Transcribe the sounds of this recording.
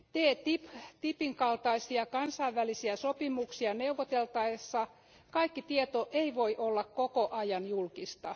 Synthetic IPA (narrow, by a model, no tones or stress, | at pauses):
t̪eːt̪ipt̪ipiŋkɑlt̪ɑisiɑkɑnsɑiʋːælisiæsopimuksiɑneuʋːot̪elt̪ɑesːɑ | kɑikːit̪iet̪oʔeiʋoiʔolːɑkkokoʔɑjɑnjulkist̪ɑ